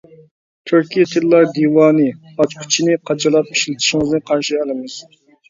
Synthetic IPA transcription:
t̪ʰyɾkʲijt̪ʰɪllˠɑɾd̪iwɑːnɨ | ɑt͡ʃkʰy̥t͡ʃʰinɪqʰɑt͡ʃɑlˠɑp̚iʃlɪt̪ʰɪ̥ʃiŋɨznɨqʰɑɾʃiɛlˠɪmɨz̥

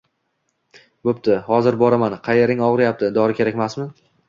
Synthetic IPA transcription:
bop̚t̪ʰɪhɒzɪɾbɒɾamanqʰɑjeɾɪŋɒʁɨɾjap̚t̪ʰɪd̪ɒɾɪkʲe̞ɾakʲmasmɪ

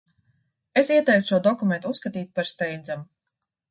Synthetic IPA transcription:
esiɛt̪ɛjk̪u̥ʃuɔd̪ɔkument̪usːkat̪iːt̪̚paɾst̪ɛjnd̪zam

